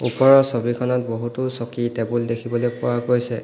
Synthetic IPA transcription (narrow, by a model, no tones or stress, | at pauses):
upɔɹɔsobikʰɔnɔt̚boɦutusokitebuldekʰibɔlojpʊwaɡojsɛ